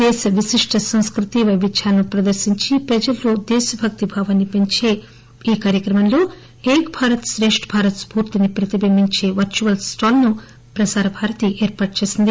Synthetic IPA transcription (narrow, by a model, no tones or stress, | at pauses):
d̪ɛːʃɐʋiʃiʂʈʰɐsɐ̃w̃skɾut̪iʋɐbit͡ʃʰaːlɐnupɾɐd̪ɐɾʃiɲt͡ʃipɾɐd͡ʒɐlːoːd̪ɛːʃɐbʱɐk̚t̪ibʱaːʋɐnːipeɲt͡ʃe̞ː | iːkaːɾjɐkɾɐmɐnlo̞ː | eːkbʱaːɾɐt̪sɾeːʂʈbʱaːɾɐt̪spuːɾt̪inipɾɐt̪ibɐmiɲt͡ʃe̞ːʋɐɾt͡ʃuʋɐlsʈaːlnu | pɾɐsaːɾɐbʱaːɾɐt̪iʔeːɾpaːʈ̚t͡ʃeːsind̪i